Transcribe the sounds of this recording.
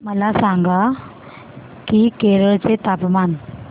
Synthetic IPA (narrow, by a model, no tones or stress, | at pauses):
məlasaŋɡa | kikeɾəɭt͡set̪apman